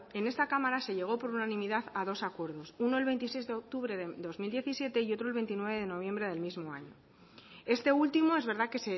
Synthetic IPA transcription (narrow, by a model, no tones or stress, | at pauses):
e̞ne̞st̪akamaɾase̞ʎe̞ɣ̞o̞po̞ɾunanĩmiðaðað̞o̞sakwe̞ɾðo̞suno̞e̞lβent̪isejzðeok̚t̪uβɾe̞ðeðo̞zmild̪je̞θisje̞t̪e̞io̞t̪ɾoelβe̞nt̪inwe̞β̞e̞ðe̞no̞β̞je̞mbɾe̞ð̞e̞lmizmo̞aɲo̞̰ | e̞st̪e̞ult̪imo̞e̞zβe̞ɾðake̞se